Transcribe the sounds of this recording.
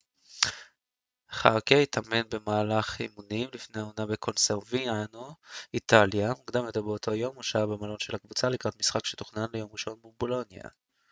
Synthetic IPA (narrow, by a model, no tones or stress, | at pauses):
χakeit̪ʰame̞nbemaːlaχimunimlifneaonabekʰo̞nseʁvianoit̪aljamuɡd̪amet̪abeotʰo̞jo̞muʃabemalo̞nʃe̞lhakvut͡salikʁat̪misχakʃet̪u̥χnanlejo̞mʁiʃo̞nbebo̞lo̞nja̰